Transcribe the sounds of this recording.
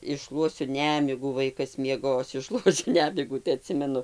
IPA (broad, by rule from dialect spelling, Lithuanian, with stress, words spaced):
ɪʃˈʃlˠuɔsʲʊ ˈnʲæːmʲɪɡuː ˈʋɐɪkɐs mʲiɛˈɡoːs ɪʃˈʃlˠuɔsʲʊ ˈnʲæːmʲɪɡuː tɐɪ ɐˈtʲsʲɪmʲɛnʊ